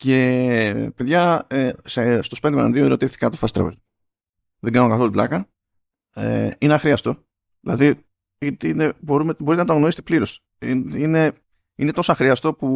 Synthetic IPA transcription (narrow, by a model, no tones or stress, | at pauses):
ce̞peðʝɐesest̪o̞spend̪mɐnɐnðioeɾo̞t̪ifθi̥kɐt̪ofɐst̪ɾ̰vḛl | ðeɡɐnokɐθo̞luplɐkɐ | ḛineɐxɾiɐst̪o̞ | ðilɐ̰ði | it̪ineboɾumebo̞ɾit̪enɐt̪ɣno̞ɾiset̪epliɾo̞s | ine̞ | inet̪o̞sɐxɾiɐst̪o̞pu